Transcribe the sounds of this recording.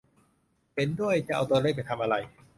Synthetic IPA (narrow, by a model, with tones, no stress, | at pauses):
pe˧ndu˥˩əjt͡ɕa˨˩ʔa˧wt̪u˧əɾe˥˩k̚pa˧˩jt̪ʰa˧mʔa˧ɾa˧j